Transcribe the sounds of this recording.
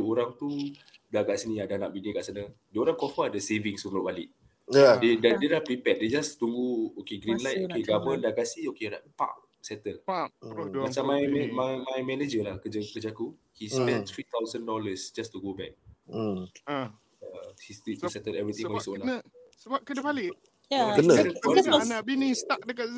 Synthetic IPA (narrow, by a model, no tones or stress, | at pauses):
duoɾaŋt̪u | daɡaʔsinĩadanaʔbiniɡaʔsanədiəoɾaŋkɔfəadəseviŋsəəlobalɪʔ | adedandiəlapɾipɛt̚ded͡ʒast̪uŋɡuokeɡɾinlajt̪̚okeɡaməndaɡaʔsiokedapa̰ʔ | sɛt̪əl | mat͡ʃamːajɛmajmajmɛned͡ʒəlahkəd͡ʒəkəd͡ʒaku | hispɛ̃nt̪ʰɹit̪awzə̃ndɔləsd͡ʒast̪uɡobɛk̚ | ahistitusɛt̪ədɛvɹit̪ĩaisəonasəbap̚kədəpalɪ | jakənəəɔnabinĩŋst̪ak̚dəka